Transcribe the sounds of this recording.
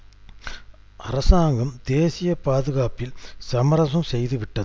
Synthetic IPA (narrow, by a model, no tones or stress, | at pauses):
ʔɐɾɐsaːŋɡɐmd̪eːsɪjɐpaːðɯɣaːpɪlsɐmɐɾɐsɐmsɛjðɯʋɪʈːɐð